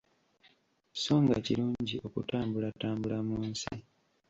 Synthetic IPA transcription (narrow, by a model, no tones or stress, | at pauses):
i̥so̞ːŋɡaciɾuːɲɟiʔo̞kṵtaːmbulataːmbulamuːnsḭ